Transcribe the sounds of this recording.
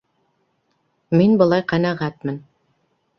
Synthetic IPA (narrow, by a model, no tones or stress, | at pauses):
minbɤ̆lˠɑjqænæʁæt̪̚mɘn